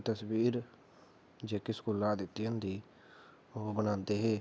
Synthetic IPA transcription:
t̪əsʋiːɾ | d͡ʒeːkɪsə̥kuːlaːd̪ɪt̪ːiə̃nd̪iː | oːbənãːnt̪eːɦeː

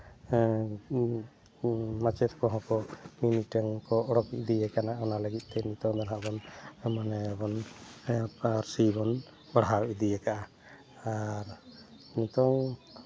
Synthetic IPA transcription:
mat͡ʃɛt̪kɔɦɔ̃kɔminiʈəŋkɔɔɽɔkid̪ijɛkanaɔnaləɡit̪̚ˀt̪ɛnit̪ɔŋd̪ɔnɦaʔbɔnmanɛbɔn | aɾsibɔn | baɽɦawʔid̪ijɛkaʔaː | ɾ | nit̪ɔŋ

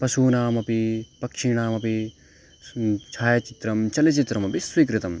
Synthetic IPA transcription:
pɐsuːnaːmɐpipɐkʃiɽ̃aːmɐpi | t͡ʃʰaːjɐt͡ʃit̪ɾɐmt͡ʃɐlit͡ʃit̪ɾɐmɐpiswiːkɾɪt̪ɐm

